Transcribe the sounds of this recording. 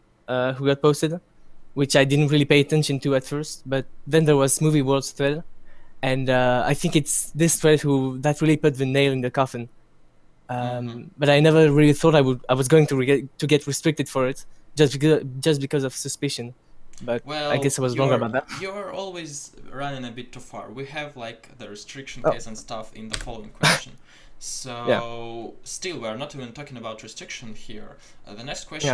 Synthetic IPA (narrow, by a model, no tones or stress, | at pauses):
ʌhuɡɑt̚poʊstɨd | wɪt͡ʃajdɪdⁿn̩tɹilˠipeɪɨtɛ̃nʃɨ̃ntuætfɜ˞st̚bʌt̪̚ðɛ̃nðɛ˞wʌzmuviwɜ˞ldθɹɛdɨ̃nʌa̰jθɪ̃ŋkɨtsðɪstɹɛd̚huðætɹilˠipʊt̪̚ðɨneɪlˠɨ̃nðəkɑfɨ̃n | ʌ̃mbʌɾajnɛvə˞ɹilˠiθɔɾajwədaɪwʌzɡoʊɪ̃ŋtuɹtɨɡɛtʰɹistɹ̥ɪk̚tɨd̥fɔɹɪtʒ̥ʌsb̥kd͡ʒʌst̚b̥ikʌzʌv̥sɨspɪʃɨ̃n | b̥ʌt̚wɛa̰ɪɡɛsaɪwʌzɹɔ̃ŋɡə˞əbaʊt̪̚ðæt̚juə˞ɔlˠwizɹanɪ̃ŋɨbɪtʰːufɑ̰ɹwiɨvlaɪk | ðɨɹɨstʰɹ̥ɪkʃn̩kesə̃nstʌfɪ̰̃nðəfɔlˠoɪ̃ŋkʰwɛst͡ʃn | sojæ | stɪlˠwiə˞nətivɨ̃ntʰɔkɪ̃ŋəbaʊtʰɹɨstɹ̥ɪkʃə̃nhiɹ | ðənɛkskʰw̥ɛj